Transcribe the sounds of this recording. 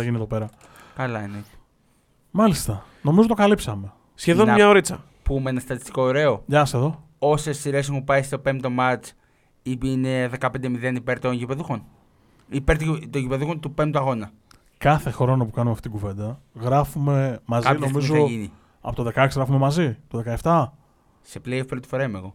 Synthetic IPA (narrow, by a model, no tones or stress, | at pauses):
ɐʝinieðo̞pe̞ɾɐ | kɐlɐineoçi̥ | mɐlist̪ɐ | no̞mizot̪okalipsɐme̞ | sçeðonɲɐoɾit͡sɐ̰ | pumeenɐst̪ɐt̪ist̪i̥ko̞eɾe̞o̞ʝɐseðo̞ | o̞sesːiɾe̞s̬eupɐjst̪o̞pe̞mt̪omɐt͡s | iineðe̞kɐpe̞nd̪emiðenipe̞ɾt̪o̞nʝipe̞ðuxo̞n | ipeɾt̪t̪oɲʝipe̞ðuxont̪upemt̪uɐɣo̞nɐ | kɐθe̞xɾo̞nɐpukɐnumeɐft̪it̪iɡuve̞nd̪ɐɣɾɐfumemɐzkɐioizzoini | ɐ̰pot̪oðe̞kɐeksiɣɾɐfumemɐzit̪oðekɐeft̪ɐ | se̞plejofpɾot̪i̥fo̞ɾɐimeɣo̞